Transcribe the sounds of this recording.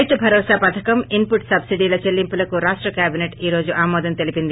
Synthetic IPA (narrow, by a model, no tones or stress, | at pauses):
jt̪ubʱɐɾɔːsaːpɐt̪ʰɐkɐmimpuʈsɐbsiɖiːlot͡ʃelːimpulɐkuɾaːʂʈɾɐkjaːbineʈiːɾo̞ːd͡ʒuʔaːmɔːd̪ɐnt̪elipind̪i